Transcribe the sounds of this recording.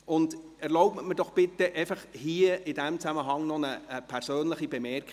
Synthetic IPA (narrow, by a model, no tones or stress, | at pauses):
ʊnd | ɛɾloʊbməməd̥ɔχb̥ɪt̪ːəʔɛɪfɑχhiːəɪdæmt͡sæməɦɑŋnɔnəəpʰæɾsøːnləχibemɛrk